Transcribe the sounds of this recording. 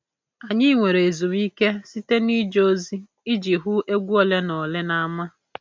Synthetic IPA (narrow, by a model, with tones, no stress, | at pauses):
a˨ɲɪ˦ŋʷe˨ɾe˨e˨zu˨m˦i˦ke˦si˦te˦ni˦d͡ʒo˦zi˦ | i˦d͡ʒi˨ɦʊ˦ʔe˦ɡʷu˦o˦le˦nɔ˨le˦na˦ma˦